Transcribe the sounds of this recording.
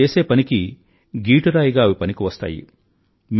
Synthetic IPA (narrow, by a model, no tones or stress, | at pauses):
eːse̞ːpɐniki | ɡiːʈuɾaːjiɡaːɐʋipɐnikiʋɐst̪a̰ːjḭ | m